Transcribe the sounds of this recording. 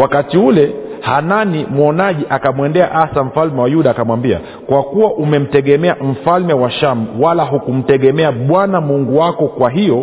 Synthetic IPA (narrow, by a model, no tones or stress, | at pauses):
wakatiulɛhananimwɔnaʄiʔakamwɛndɛaʔasam̩falmɛwajuɗaːkamwambia̰ | kwakuwaʔumɛm̩tɛɠɛmɛam̩falmɛwaʃam̩walaɦukum̩tɛɠɛmɛaɓwanamuŋɡuwakɔkwaɦijɔ